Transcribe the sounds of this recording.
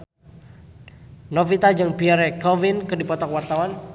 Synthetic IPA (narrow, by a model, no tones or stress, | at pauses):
nɔfit̪ad͡ʒɨŋpiaɾɛkɔvinkɨdipɔt̪ɔkwart̪awan